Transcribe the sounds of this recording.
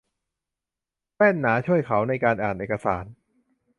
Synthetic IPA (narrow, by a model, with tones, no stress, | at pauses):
pɛː˥˩nːaː˩˦t͡ɕʰu˥˩əjkʰa˩˦wna˧jkaː˧nʔaː˨˩nʔeː˨˩ka˧sa̰ː˩˦n